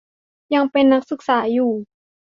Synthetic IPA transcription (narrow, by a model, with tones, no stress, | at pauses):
ja˧ŋpe˧nːa˦˥k̚sɯ˨˩k̚saː˩˦juː˨˩